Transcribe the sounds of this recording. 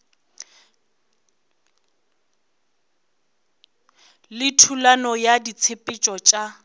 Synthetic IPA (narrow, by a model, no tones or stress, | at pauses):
lɪtʰulanɔjadit͡sʰɪpʼɪt͡ʃʼɔt͡ʃʼa